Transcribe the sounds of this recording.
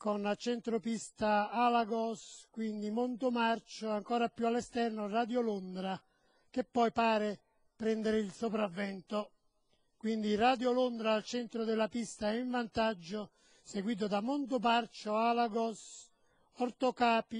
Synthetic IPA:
konat͡ʃɛnt̪ɾopist̪aalaɡɔskwind̪imont̪ʊmart͡ʃoaŋkɔːɾapːjualːɛst̪ɛrnorad̪jolond̪ɾa | k̟epːɔjpaːɾe | pɾɛnd̪eɾɪilsopɾavːɛnt̪o | kwind̪iraːd̪jolond̪ɾaːlt͡ʃɛnt̪ɾʊd̪ɛlːapist̪aɛiɱvant̪ad͡ʒːʊ | seɡwiːt̪̬ʊd̪amont̪̬ʊmart͡ʃoalaɡɔs | ɔrt̪okaːpi

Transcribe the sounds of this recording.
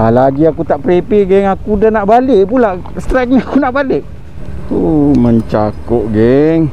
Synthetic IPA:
alad͡ʒiakut̪aʔpɾepiʔɡɛŋakudanaʔbalɪʔpulaʔ | st̪ɾɛk̚ɲaakunaʔbalɪʔ | uməɲt͡ʃakoʔ̚ɡɛŋ

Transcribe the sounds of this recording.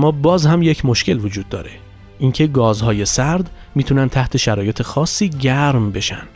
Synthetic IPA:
mːɒːbɒːzhæmje̞cʰmo̞ʃce̞lvod͡ʒuːd̪ːɒ̰ːɾe̞ | ʔiŋcʰe̞ɡɒːzhɒːje̞sæɾd̪ | miːt̪ʰunænt̪ʰæht̪ʰe̞ʃæɾɒːje̞t̪ʰe̞xɒːsːiːɟæɾmbe̞ʃæ̰nd̪̥

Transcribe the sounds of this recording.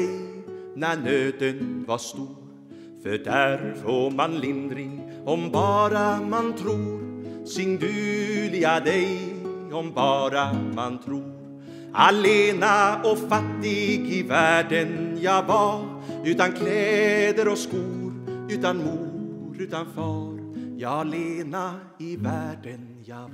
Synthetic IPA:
ɛjnæɳøːd̪ənvaʂt̪uːɾ | fœɖæɾfomanlɪnd̪ɾɪŋ | ɔmbɑːɾamant̪ʰɾuːɾsɪŋd̪ʉːlɪad̪ɛjɔmbɑːɾamant̪ʰɾuːɾ | a̰leːnaɔfat̪ːɪɡɪvæːɖənjɑːvɑ | ʉ̟ːt̪ankʰlɛːd̪əɾɔskuːɾʉ̟ːt̪anmuːɾʉ̟ːt̪anfɑːɾjɑleːna | ɪvæːɖən | jɑː

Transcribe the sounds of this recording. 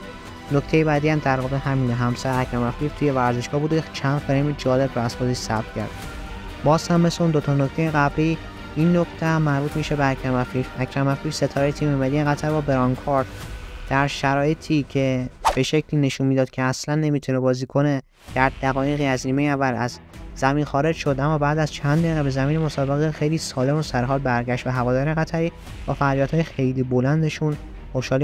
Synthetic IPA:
no̞cʰt̪ʰe̞jebæːd̪iːæmd̪æɾvɒːbeɦæmiːnɦæmsæɾeæcʰɾæmæfiːɾt̪ʰuːjevæɾzeʃɡ̥ɒːhbuːd̪t͡ʃʰænd̪feɾemid͡ʒɒːle̞bɾɔæz̥foziʃsæbt̪cʰæ̰ɾd̪ | bɒːz̥hæmːe̞sleund̪ot̪ʰɒno̞cʰt̪e̞jeɣæbɾi | inːokʰt̪ʰemːæɾbuːt̪ʰmiːʃebeæcʰɾæmæfiɾæcʰɾæmæfiːɾse̞t̪ʰɒːɾejet̪ʰiːmiːmæd̪ieɣæt̪ʰæɾbɒːbeɾɒŋkʰɒɾt̪d̪̥æɾʃæɾɒːjet̪ʰiːcʰe̞b̥e̞ʃe̞cʰliːne̞ʃunmid̪ɒːd̪̚cʰe̞æslænːe̞mit̪ʰunebɒːziːkʰo̞ne̞ | d̪̥æɾd̪æɣɒːjeɣiːæzniːmejævːælæz | zæmiːnxɒːɾe̞d͡ʒʃod̪ʔæmːɒːbæːd̪æzt͡ʃʰænd̪ːeɣebe̞zæmiːnemo̞sɒːbe̞ɣexe̞jliːsɒːle̞mosæɾɦɒːd̪̚bæɾɟæʃt̪væɦævɒːd̪ɒːɾeɣæt̪ʰæɾiː | b̥ɒːfæɣlijɒːt̪hɒːjexe̞jliːbo̞lænd̪e̞ʃun | xoʃɒːl

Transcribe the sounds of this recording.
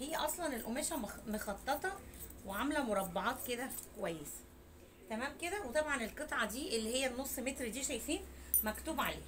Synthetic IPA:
hejːæʔɑsˤlɑnelʔomeːʃæmmoxɑt̪ˤːet̪ˤɑweʕamlæmoɾˤɑbːɑʕɑːt̪ked̪ækowæjːes | t̪æmæːmked̪æwet̪ˤɑbʕɑnelqet̪ˤʕɑd̪iːʔelːiːhejːænːosˤːmet̪ɾid̪iːʃæjfiːnmækt̪uːbʕalḛː

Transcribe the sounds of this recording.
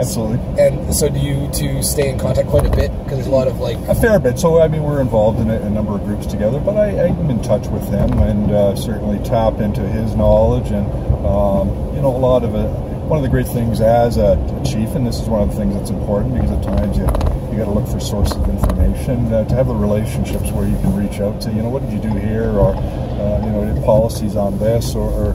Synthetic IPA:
æb̥səlutˡliɨ̃nsoʊdɨjɨtʰɨsteɪɨ̃nkʰɑ̃ntʰæk̚ʰw̥aɪɾɨbɪt̚kʰʌzəzəlɔɾʌvlaɪkɨfɛɹbɪd̥soʊaɪmĩnwɪɹɨ̃ɱvɑlˠvdɨ̃nɨɨnʌ̃mbə˞ʌvɡɹʉpstʰɨɡɛðə˞bʌɾaɪaɪmɨ̃ntʰʌt͡ʃwɨð̥ɪ̃mɨ̃nsɜ˞ʔn̩litʰæpɪ̃ntʉɪznɑlˠɪd͡ʒɨ̃ñ | m | jɨnoʊəlɔɾʌvɨ | wʌ̃nʌvðɨɡɹeɪt̪̚θɪ̃ŋzɨz | t͡ʃʰifɨ̃nðɪsɨzwʌ̃nʌvðəθɪ̃ŋzðætsm̩pʰɔɹʔn̩b̥ɨkʰʌzɨt̚tʰãɪ̃mzjɨjɨɡɑɾəlʊkfə˞sɔɹsʌvɪ̃ɱfə˞meɪʃɨ̃ntʰɨːvðəɹileɪʃɨ̃n̩ʃɪpswə˞jɨkʰɨ̃nɹit͡ʃaʊtʰɨjɨñoʊwʌt̚d̥ɨd͡ʒɨdɨɦiɹə˞ | jɨnoʊə˞pʰɑlˠəsizn̩ðɪsə˞ə˞

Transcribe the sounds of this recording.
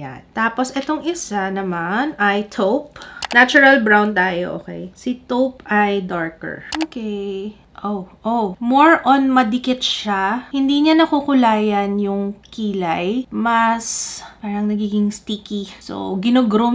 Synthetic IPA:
ja̰nt̪aːposʔɛt̪oŋɪsanɐmanɐjt̪ʰowpnat͡ʃʊɾɐlbɹawnt̪aːjo̰ʔo̰ːkɛ̰jsɪt̪owpʔɐjd̪aɹkɛ̰ɹʔoːkɛj | ʔoʔomoɹʔonmɐd̪ɪkɪt̪ʃahɪnd̪iːɲanɐkukʊlaːjɐnjʊŋkiːlɐjmɐspaːɾɐŋnɐɡiːɡɪŋst̪iːkiso̰ɡɪnoɡɾom

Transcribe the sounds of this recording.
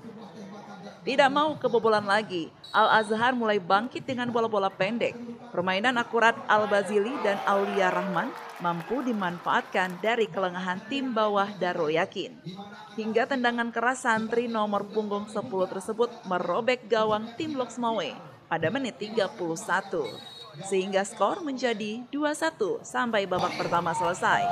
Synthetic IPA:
t̪idaʔmaukəbobolanlaɡi | ʔalazaɦarmulajbaŋkɪt̪̚dəŋanbolabolapɛndɛk̚pərmainanakuɾat̪̚albazilidanauliaɾahman | mampudimanfaʔat̪̚kandaɾikələŋaɦant̪imbawahdaɾojakɪn | hiŋɡat̪əndaŋankəɾasːant̪ɾinɔmɔrpuŋɡɔŋsəpulut̪ərsəbʊt̪̚mərobɛk̚ɡawaŋt̪imlɔksəmawe | padamənɪt̪ːiɡapuluhsat̪ṵ | səɦiŋɡaskɔrməɲd͡ʒadiduasat̪usampajbabak̚pərt̪amasələsaj

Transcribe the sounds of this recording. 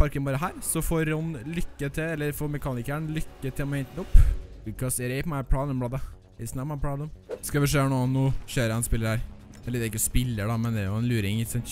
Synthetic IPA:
pʰɑɾkənʋɑːɾəɦæːɾsɔfoːɾːɔnlʏkːət̪ʰɪɛlːəɾfoːɾmɛkʰɑːnɪkəɳlʏkːət̪ʰɪlmɛnt̪nʊpːʉkɑsɛɾɛɪpmæpʰɽɑːd̪əmblɑːd̪ə | ɪsnɑmɑpʰɽɑːd̪ʊmskɑʋɪʂeːɳuːɑnːuːçøːɾəɛnspɪlːəɾhæɾ | ɛlːəɖ̪ɛɾɪkːəɔspɪlːəɖɑmɛnd̪ɛːjʊɛnlʉːɾɪŋɪsɑnt̪

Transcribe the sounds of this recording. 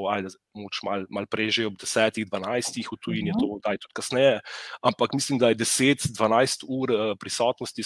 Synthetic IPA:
ajd̪ɐmoɡot͡ʃmalmalpɾeːʒeɔbd̪ɛsɛːt̪iɣd̪ʋanajst̪ixut̪ujinjɛt̪oːd̪ajt̪u̥t̪kasnɛjɛampakmislimd̪ajɛd̪ɛseːt̪d̪ʋanajst̪uːɾəpɾisɔːt̪nɔst̪i

